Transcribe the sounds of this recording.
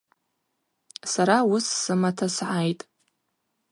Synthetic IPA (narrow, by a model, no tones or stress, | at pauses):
saɾawʊsːɨmatʰasʕajtʼ